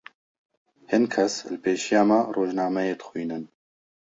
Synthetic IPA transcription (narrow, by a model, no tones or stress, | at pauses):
hinkʰɐslpeːʃijaːmɛroːʒnɑːmɛjeːd̪xʷujnɨn